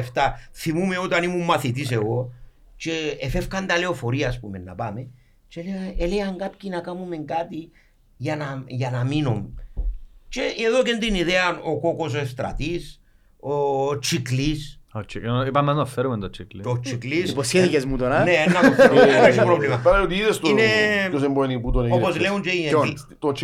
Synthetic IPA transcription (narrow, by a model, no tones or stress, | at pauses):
eft̪ɐθimumeot̪ɐnimumːɐθit̪is̬eɣo̞ | t͡ʃe̞ːfefkɐnd̪ɐle̞o̞fo̞ɾiɐːspume̞nːɐ̰pɐme | t͡ʃeleaeleɐŋɡapcinɐkamume̞ŋɡat̪i | ʝɐnɐʝɐnɐminum | t͡ʃe̞eðo̞cend̪iniðeɐnoko̞ko̞s̬est̪ɾɐ̰t̪is | ot͡ʃiklist͡ʃiipamːaznɐfːeɾument̪ot͡ʃikliot͡ʃiklisiposeðikezmut̪onaneenːaaesipɾovlimapaɾajot̪iiðest̪ineos̬emboeniput̪oneoposleunt͡ʃeiei | t̪ot͡ʃ